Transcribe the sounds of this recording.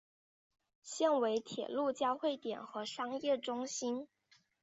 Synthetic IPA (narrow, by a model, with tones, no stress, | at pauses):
ɕjɛ˥˩nwe˧˥ɪt̪ʰjɛ̰˨˩lu˥˩t͡ɕjɑ˥ʊxwe˥˩ɪt̪jɛ̰˨˩nxɤ˧˥ʂɑ˥ŋjɛ˥˩ʈ͡ʂʊ˥ŋɕi˥n